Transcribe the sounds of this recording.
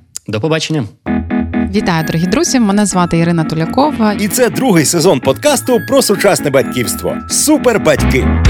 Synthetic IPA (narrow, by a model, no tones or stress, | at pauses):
d̪ɔpɔbat͡ʃenʲːɐ | ʋʲit̪ɑjʊd̪ɔɾɔɦʲid̪ɾuzʲimɛnɛzʋɑt̪ɪiɾɪnɐt̪ʊlʲɐkɔʋɐit̪sɛd̪ɾuɦɪjsezɔnpɔd̪kɑst̪ʊpɾɔsʊt͡ʃɑsnɛbɐtʲkʲiwst̪ʋɔ̰superbɐtʲkɪ